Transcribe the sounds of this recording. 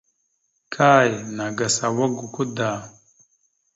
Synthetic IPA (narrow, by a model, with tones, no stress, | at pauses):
kʰa˦˨ji˨na˨ɡa˨sa˨wa˦ɡu˨ku˦da˨